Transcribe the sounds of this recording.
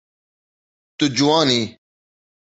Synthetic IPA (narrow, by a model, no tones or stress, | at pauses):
t̪ud͡ʑuwãːniː